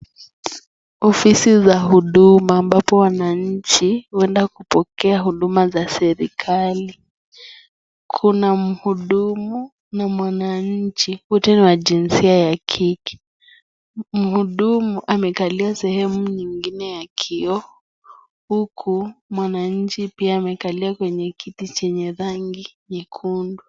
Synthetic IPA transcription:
ɔfisizaɦuɗumaːmbapɔwanaɲ̩t͡ʃiwɛndakupɔkɛaɦuɗumazasɛɾikʰali | kʰunam̩huɗumu | namwanaɲ̩t͡ʃihutɛniwad͡ʒinsiajakʰiki̥ | m̩huɗumuʔamɛkaliasɛhɛmuɲiŋɡinɛjakʰiɔ | hukʰumwanaɲ̩t͡ʃipiaːmɛkaliakwɛɲɛkitit͡ʃɛɲɛɾaŋɡiɲɛkʰundu

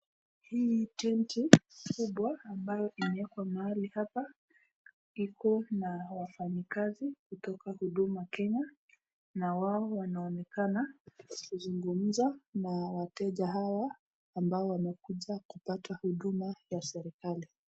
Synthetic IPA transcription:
hiːtɛntikuɓwaːmbajɔʔimɛɛkwamaalihapa | ikɔnawafaɲikazikutɔkahuɗumakɛɲa | nawaɔwanaɔnɛkanakuzuŋɡum̩zanawatɛʄaɦawaː | mbaɔwamɛkuʄakupatahuɗumajasɛɾikali

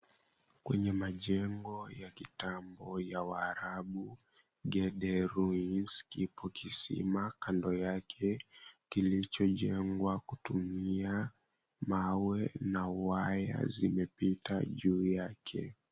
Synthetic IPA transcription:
kwɛɲɛmaʄɛŋɡɔjakitambɔjawaːɾaɓu | ɡɛɗɛɾuinskipɔkisḭmakandɔjakʰɛkilit͡ʃɔʄɛŋɡwakutumia | mawɛnawaja̰zimɛpita̰ʄuːjakʰɛ̰

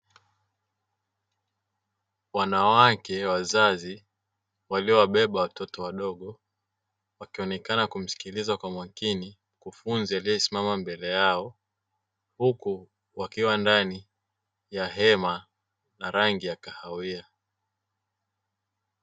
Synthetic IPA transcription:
wanawakɛwazazi | waliɔwaɓɛɓawatɔtɔwaɗɔɠɔ | wakiɔnɛkanakum̩si̥kilizakwamwakini | kufunzialijɛsimamambɛlɛjaɔ | huku | wakiwandani | jaɦɛma | naɾaŋɡijakahawia

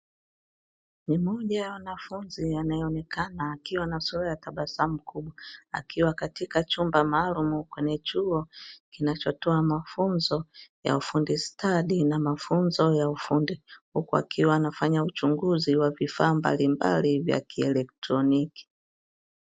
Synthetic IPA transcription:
mimɔʄajawanafunzianajɔɔnɛkʰanaːkiwanasulajataɓasam̩kuɓwaa̰kiwakatikat͡ʃumbamaːlumukwɛɲɛt͡ʃuɔkinat͡ʃɔtɔamafunzɔja̰ufundistʰaɗinamafunzɔjaufundihukua̰kʰiwaːnafaɲaut͡ʃuŋɡuziwavifaːmba̰limba̰livja̰kiɛlɛk̚tɾɔniki̥

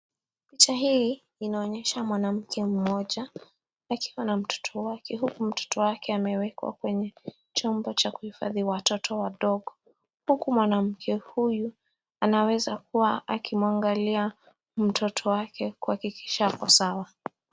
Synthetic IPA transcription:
pit͡ʃaɦi | inaɔɲɛʃamwanam̩kʰɛm̩mɔʄa | akʰiwanam̩tʰɔ̥tʰɔwakʰɛɦukum̩tɔ̥tʰɔwakɛamɛwɛkwa̰kwɛɲɛ | t͡ʃɔmbɔt͡ʃakuhifa̰ðiwatɔtʰɔwaɗɔɠɔ | hukumwanam̩kʰɛhuju | anawɛzak̚uwaʔakʰimwaŋɡalia | m̩tʰɔtʰɔwakʰɛkuhakiki̥ʃakasawa

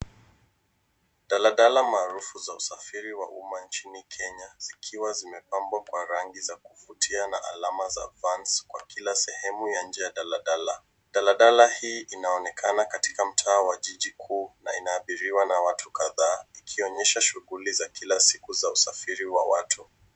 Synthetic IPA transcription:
ɗalaɗalamaːɾufuzausafiɾiwaʔumant͡ʃinikʰɛɲaz̥ikʰiwazimɛpambwakwaɾaŋɡizakufutʰianaʔa̰lamaza̰ːvanskwa̰kilasɛhɛmujan̩d͡ʒɛjaɗalaɗala | ɗalaɗalahiːʔinaɔnɛkʰanakati̥kam̩tʰaːwaʄiʄikʰuːna̰inaːɓiɾiwanawatʰukaðaːikʰiɔɲɛʃaʃuɣulizakʰilasikuzausafiɾiwa̰wa̰tʰu

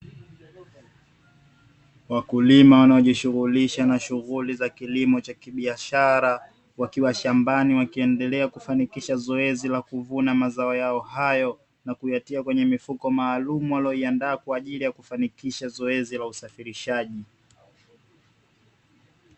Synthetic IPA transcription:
wakulimawanaɔʄiʃuɣuliʃanaʃuɣulizakilimɔt͡ʃakiɓiaʃaɾa | wakiwaʃambaniwakiɛndɛlɛakufanikiʃazɔɛzilakuvunamazaɔjaɔhajɔ | nakujatiakwɛɲɛmifukɔmaːlumuwalɔiandaːkwaːʄilijakufanikiʃazɔɛzilausafiɾiʃaʄi

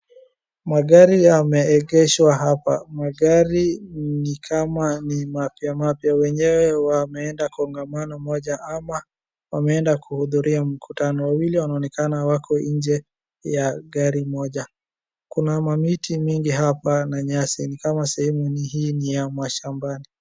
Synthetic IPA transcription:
maɠaɾijamɛːɠɛʃwaɦapamaɠaɾinikʰamanimapjamapjawɛɲɛwɛwamɛɛndakɔŋɡamanɔmɔʄaʔama | wamɛɛndakʰuhuðuɾiam̩kʰutanɔwawiliwanaɔːnɛkanawakʰɔɲd͡ʒɛ | jaɠaɾimɔʄa | kunamamitʰimiŋɡiɦapanaɲasinikamasɛhɛmuniɦiːnijamwaʃambani

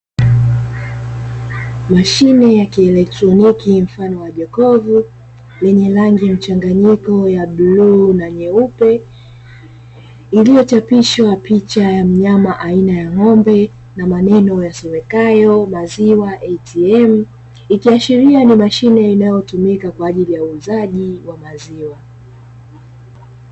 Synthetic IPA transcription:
maʃinɛjakiɛlɛk̚tɾɔnikim̩fanɔwaʄɛkɔvu | lɛɲɛlaŋɡim̩t͡ʃaŋɡaɲikɔjabluːnaɲɛupɛ | ilijɔt͡ʃapiʃwapit͡ʃajam̩ɲamaʔainajaŋɔmbɛ | namanɛnɔjasɔmɛkajɔmaziwaʔɛtʰiɛm̩ | ikiaʃiɾianimaʃinɛinajɔtumikakwaːʄilijauːzaʄiwamaziwa

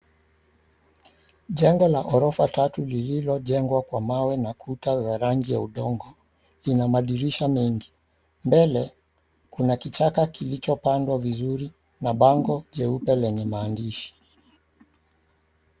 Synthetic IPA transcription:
ʄɛŋɡɔlaʔɔɾɔfatatulililɔʄɛŋɡwakwamawɛnakʰutazaɾaŋɡijauɗɔŋɡɔ | linamaɗiɾiʃamiŋɡi | mbɛlɛ | kunakit͡ʃakakilit͡ʃɔpandwavizuɾi | naɓaŋɡɔʄɛupɛlɛɲɛmaːndiʃi̥

